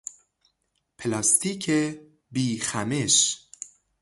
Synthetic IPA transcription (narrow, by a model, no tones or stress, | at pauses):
pʰelɑst̪ikʰe | biːxæmeʃ